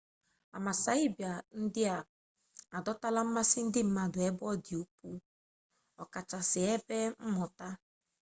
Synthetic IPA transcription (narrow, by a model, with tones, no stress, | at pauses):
a˨ma˨sa˨˦i˦bja˨n̩˦dɪ˦a˨ | a˨dɔ˦ta˦la˦m̩˦ma˦sɪ˦n̩˦dɪ˦m̩˦ma˨dʊ˨ɛ˦bɔ˦di˨o˦pu˦ | ɔ˨ka˨t͡ʃa˨sɪ˨ɛ˦bɛ˦m̩˦mɔ˨ta˦